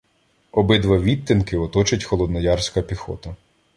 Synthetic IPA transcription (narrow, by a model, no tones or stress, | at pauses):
ɔbɪd̪ʋɑʋʲit̪ʲːinkɪɔt̪ɔt͡ʃɪtʲxɔlˠɔd̪nɐjɑrsʲkɐpʲixɔ̰t̪ɐ